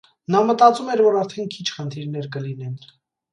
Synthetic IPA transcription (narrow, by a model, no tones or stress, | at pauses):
nɑmət̪ɑt͡sumɛɾvɔɾɑɾt̪ʰɛnkʰit͡ʃʰχənt̪ʰiɾnɛɾk̬əlinɛn